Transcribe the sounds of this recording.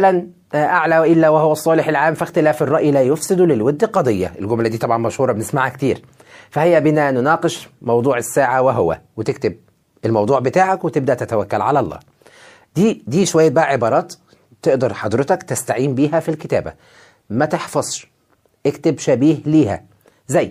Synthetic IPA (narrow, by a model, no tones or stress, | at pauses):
læn | ʔaʕlæwæʔɪlːæwehowæsˤːɑːleħelʕaːmfɪxt̪ɪlæːferˤːɑʔjilæːjofsɪd̪ulɪlwed̪ːlqɑd̪ˤejːɑ̰ʔelɡomlæd̪iːt̪ɑbʕɑnmæʃhuːɾˤɑbenɪsmaʕhækt̪iːɾ | fæhɪjːæbɪnænʊnɑːqeʃmɑwd̪ˤuːʕesːaːʕaweɦʊwæ̰wet̪ekt̪ɪb̚ | elmɑwd̪ˤuːʕbɪt̪aːʕakwet̪ɪb̚d̪æʔt̪æt̪æwækːælʕalælˤːɑ̰ː | d̪̥iːd̪iːʃowæjːæbæʔæʕebɑːɾˤɑːt̪ | t̪ːeʔd̪ɑɾˤħɑd̪ˤɾɪt̪ɑkt̪ɪst̪aʕiːmbiːɦæfilkɪt̪æ̰ːbæ̰ | mæt̪eħfɑzˤʃ | ʔekt̪ɪbʃæbiːhliːhæ̰ | zæjː